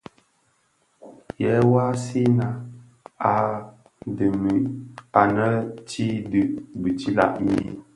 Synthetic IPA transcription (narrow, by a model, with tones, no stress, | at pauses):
jɛ˨˦wa˦si˦na˦ | a˨ | də˨mi˨a˨nə˦t͡ʃi˦dɨ˦ʔbɨ˨ti˦la̰˦˨ʔmḭ˦˨